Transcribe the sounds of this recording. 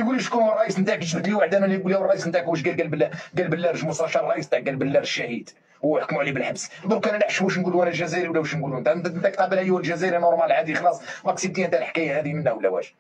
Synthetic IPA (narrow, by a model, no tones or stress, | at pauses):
ɡuliʃkunrˤːɑʔisənt̪aʕkʃbəd̪liwaʕd̪ænænæjɡuljæwrˤːɑʔisənt̪aʕkːəʃ̬ɡælɡælblɡælbəlːæɾˤʒmʊst̪ɑʃɑɾˤrˤɑʔisnt̪aʕɡælbəlːæɾʃːæhid̪ | wħkmuʕlibəlħaəbsd̪ˤuɾkænælaħʃmuʃnɡuluænælʒæzæɾiwlːæwuʃnɡuluænt̪ant̪nt̪ak̚t̪ˤɑbəlʕəjuwlʒæzæɾinoɾˤmælʕad̪ixɑlɑsˤmæksib̚t̪iʔnt̪alħkæjahæd̪imənʔæwlːæwæ̰ʃ